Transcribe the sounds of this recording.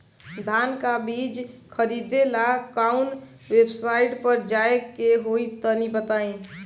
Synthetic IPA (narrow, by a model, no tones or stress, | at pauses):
d̪ʱaːnkabiːd͡ʒkʰəɾid̪elakaun | websɾaɪʈpəɾd͡ʒaekeɦoit̪ɔnibət̪aẽ